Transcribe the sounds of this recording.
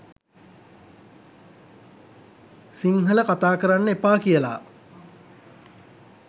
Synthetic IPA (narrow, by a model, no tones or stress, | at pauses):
siŋɦələkat̪aːkəɾanːəepaːkijəla̰